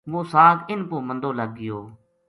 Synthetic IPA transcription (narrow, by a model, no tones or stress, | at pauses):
ʋoːsaːkɪnkoːmənd̪oːləɡːɪjoː